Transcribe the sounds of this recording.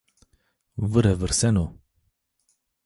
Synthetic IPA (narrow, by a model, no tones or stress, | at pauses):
vɨɾɛvəɾsɛno